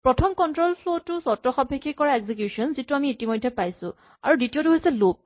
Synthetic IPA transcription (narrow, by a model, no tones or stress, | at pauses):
pɹɔtʰɔmkɔntɹolpʰlotʊsɔtɹɔxɔbʱekʰːikɔɹaeɡzikjusɔnzituamiːtimɔjdʱːɛpajsʊ̰̃ | a̰ɹuditiotuɦojsɛlop̚